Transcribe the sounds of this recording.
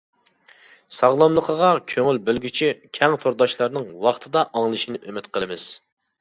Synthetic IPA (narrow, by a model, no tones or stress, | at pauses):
sɑʁlˠɑmlˠəqʰəʁɑkʲʰøŋylbølɡʲyt͡ʃʰikʲʰɛŋt̪ʰoɾd̪ɑʃlˠɑɾnɨŋwɑχt̪ʰɨd̪ɑʔɑŋlˠɨʃinɪʔømɪt̪qʰəmɪz̥